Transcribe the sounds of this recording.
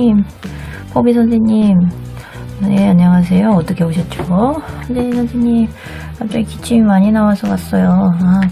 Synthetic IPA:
im | pʰobis̬ʰʌnsʰeɲim | neaɲːʌŋas̬ʰe̞joʌt͈ʌkʰepoɕʰʌt̚t͡ɕ͈osʌnd͡ʑʰeɲisʰʌnsʰeɲim | at͡ɕ͈oikit͡ɕʰimimaɲinawasʰʌkas͈ʌjoa

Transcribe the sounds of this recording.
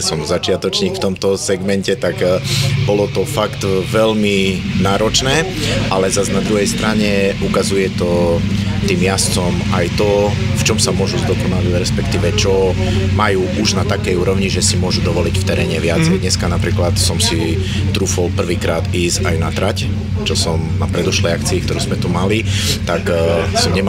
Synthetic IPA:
ɛsɔmzat͡ʃɪat̪ɔt͡ʃɲiːkft̪ɔmt̪ɔsɛɡmɛncɛt̪aɡbɔlɔt̪ɔfakt̪ʋɛʎminaːɾɔt͡ʃnɛː | ʔalɛzaznad̪ɾuɦɛjst̪ɾʔaɲɛʔukazujɛt̪ɔ | t̪iːmjast͡sɔmajt̪ɔft͡ʃɔmsamʊɔʒuzd̪ɔkɔnaliɾɛspɛkt̪iːʋɛt͡ʃɔ | majuːʔuʒnat̪akɛjuːɾɔʊɲiʒɛsimʊɔʒud̪ɔʋɔlicft̪ɛɾɛːɲɛʋɪat͡sɛjd̪ɲɛskanapɾiːklat̪sɔmsi | t̪ɾuːfɔlpr̩ʋiːkɾaːt̪iːzajnat̪ɾac | t͡ʃɔsɔmnapɾɛd̪ɔʃlɛjakt͡siik̚t̪ɔɾuːzmɛt̪umalit̪aksɔmɲɛm

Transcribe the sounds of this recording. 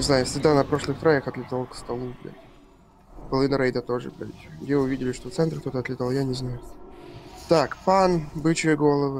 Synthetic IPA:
ɪznajʊsʲɪɡd̪anɐpɾo̞ʂlˠɨxt̪ɾajaxɐt̪lʲɪt̪alˠkst̪ɐlˠuɡlʲa̰ | pəlˠɨnəɾejd̪ət̪o̞ʐɨ̰ɡɾa̰ɡdʲeʊvʲidʲɪlʲɪʂt̪oft̪sɛnt̪ɾrk̚t̪o̞t̪əɐt̪lʲɪt̪alˠjanʲɪznajʊ | t̪akpanbɨt͡ɕɪjəɡo̞lˠəvɨ

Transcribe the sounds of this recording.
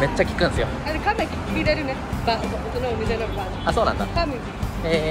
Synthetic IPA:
me̞t͡ɕːakʲi̥kɯ̃nsɨjo | aɾekãnːakʲi̥kɯmʲiɾeɾɯnebaosoot̪onaomʲizenobanasoːnã̰nd̪a̰kami | e

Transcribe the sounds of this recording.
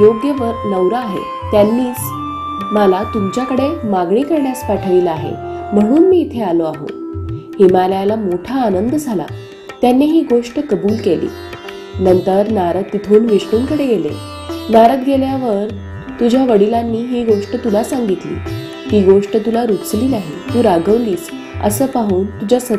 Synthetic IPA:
joɡjəʋəɾnəwɾəːɦḛ | t̪janːiːt͡s | məlat̪umt͡ɕjakəɽemaɡɳiːkəɾɳjaspaʈʰəʋilaɦḛm̤əɽ̃uːnmiːt̪ʰealoaɦo̰himaljalamoʈʰaːnənd̪d͡zʱala̰ | t̪janːiɦiːɡoʂʈəkəbuːlkelḭː | nənt̪əɾnaɾət̪ːit̪ʰoːnʋiʂkuːnkəɽeɡelḛ | naɾət̪ɡeljaʋəɾ | t̪ud͡ʑʱjaʋəɽilanːiːɦiːɡoʂʈət̪ulasaŋɡit̪lḭː | hiːɡoʂʈət̪ulaɾut͡sliːlaɦet̪uːɾaɡʱəʋliːs | ə̰səːpaɦuːnt̪ud͡ʑasə

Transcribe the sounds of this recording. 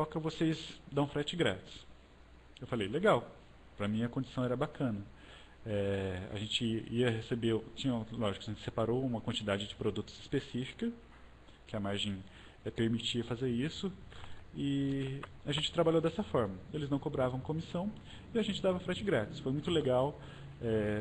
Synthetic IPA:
ɔkɐvosezd̪ɐ̃w̃fɾɛt͡ʃɪɡɾat͡ʃɪ̥s | ewfalejleɡaw | pɾɐmĩɐkõnd͡ʒɪsɐ̃w̃ɛɾɐbakʰɐ̃nɐ | ɛa̰ʒẽnt͡ʃɪiɐɦesebeɾt͡ʃĩɲɐlɔʒɪkʊɐʒẽt͡ʃɪ̥sepaɾowũmɐkwɐ̃nt͡ʃɪd̪ad͡ʒɪd͡ʒɪpɾod̪ut̪ʊ̥z̥ɪspesifi̥kɐ | kɪɐmaɾʒẽj̃ | ɛpeɾmit͡ʃiɐfazeɾisʊ | ɪ | aʒẽnt͡ʃɪ̥t̪ɾabaʎowd̪ɛsɐfɔɾmɐelɪznɐ̃w̃kobɾavɐ̃w̃kõmisɐ̃w̃ | ɪaʒẽnt͡ʃɪd̪avɐfɾɛt͡ʃɪɡɾat͡ʃɪ̥sfojmũj̃t̪ʊleɡaw | ɛ

